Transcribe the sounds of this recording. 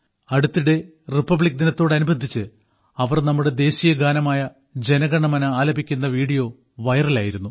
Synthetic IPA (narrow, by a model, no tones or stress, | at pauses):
ɐɽut̪ːiɽe̞ | ripːɐbɭik̚ːd̪inɐt̪ːo̞ːɽɐnubʱɐnd̪ʱːit͡ɕːɨ | ɐʋɐrnɐmːuɽe̞d̪e̞ːɕijɐɡaːnɐmaːjɐ | d͡ʑe̞nɐɡɐɳɐmɐnɐaːlɐbʱikʲːunːɐʋiːɽijo̞ː | ʋɐjɐrilaːjiɾunːu